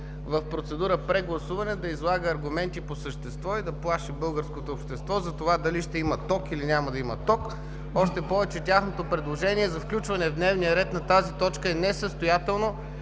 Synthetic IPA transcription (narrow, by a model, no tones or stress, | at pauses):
vɐfpɾot̪sɛd̪uɾəpɾɛɡlˠɐsuvɐnɛd̪ɐizlˠaɡəːɾɡumɛnt̪iposəʃt̪ɛst̪vɔid̪ɐplˠaʃibɤlˠɡəɾskot̪oːpʃt̪ɛst̪vɔzɐt̪ovad̪ɐliʃt̪ɛimɐt̪ɔkilinʲamɐd̪ɐimɐt̪ɔk | ɔʃt̪ɛpɔvɛt͡ʃɛtʲaxnot̪opɾɛd̪lˠoʒɛniɛzɐfklʲut͡ʃvɐnɛvd̪nɛvnijəɾɛt̪nɐt̪azit̪ɔt͡ʃkəɛnɛsəst̪ojat̪ɛlˠno